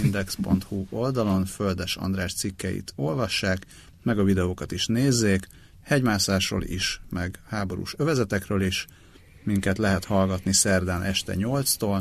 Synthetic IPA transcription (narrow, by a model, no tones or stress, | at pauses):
ind̪ɛkspo̞nt̪huo̞ld̪ɒlo̞nføld̪ɛʃɒ̰nd̪raːʃt̪sikːɛ̰jḭt̪ʰo̞lvɒʃːaːk | mɛɡɒvid̪ɛoːkɒt̪iʃneːzːeːk | hɛɟmaːsaːʃro̰ːlḭʃmɛɡhaːbo̞ɾṵːʃøvɛzɛt̪ɛkrøːliʃ | miŋkɛt̪lɛɦɛt̪hɒlɡɒt̪nisɛrd̪aːnʔɛʃt̪ɛ̰ɲo̞lt̪st̪oːl